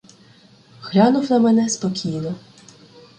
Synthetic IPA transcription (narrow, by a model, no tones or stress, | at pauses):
xlʲɑnʊwnɐmɛnɛspɔkʲijnɔ